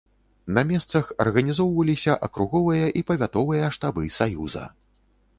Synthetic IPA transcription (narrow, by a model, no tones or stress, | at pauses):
nɐmʲɛst̪sɐxɐrɣɐnʲizɔwvɐlʲisʲɐʔɐkɾuɣɔvɨjɐʔipɐvʲat̪ɔvɨjɐʂt̪abɨsajuzɐ̰